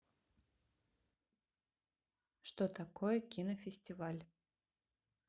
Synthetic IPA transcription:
ʂt̪ot̪ɐkojəkʲinəfʲɪsʲtʲɪvalʲ

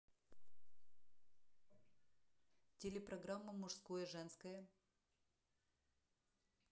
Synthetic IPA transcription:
tʲelʲɪpɾɐɡɾamːəmʊʂskojəʐɛnskəjə

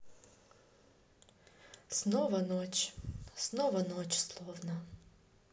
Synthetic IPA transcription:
snovɐnot͡ɕsnovɐnot͡ɕslˠovnə

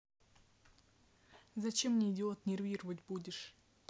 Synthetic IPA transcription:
zɐt͡ɕe̞mnʲɪɪdʲɪo̞t̪nʲɪrvʲiɾəvətʲbudʲɪʂ

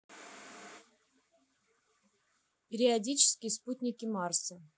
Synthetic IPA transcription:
pʲɪɾʲɪadʲit͡ɕɪ̥skʲɪjəsput̪ʲnʲɪkʲɪmɑrsə

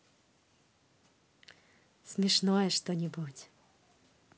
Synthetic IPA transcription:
smʲɪʂnɔjɛʂt̪ɔnʲɪbutʲ

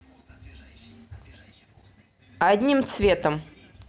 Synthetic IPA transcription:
ɐd̪ʲnʲimt̪svʲet̪əm

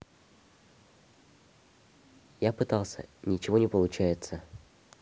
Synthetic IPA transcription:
japɨt̪ɑlˠsʲə̰nʲɪt͡ɕɪvo̞nʲɪpəlˠʊt͡ɕæjɪt̪sə

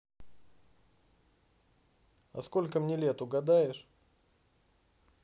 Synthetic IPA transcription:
ɐ̰sko̞lʲkəmnʲelʲet̪ʊɡɐd̪ajɪʂ

